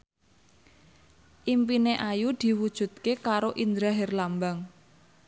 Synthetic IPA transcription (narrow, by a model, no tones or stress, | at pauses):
ʔimpineʔajud̪̥i̤wud̥ʒ̥ṳt̪̚kekaɾoʔind̪ɾaɦɪrlambaŋ